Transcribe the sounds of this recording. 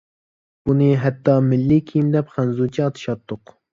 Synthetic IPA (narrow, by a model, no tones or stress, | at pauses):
b̥unɨɦɛt̪ʰːɑmɪlːikʲʰijimd̪ɛpχænzut͡ʃʰiɑt̪ʰɨ̥ʃɑt̪ʰːʊq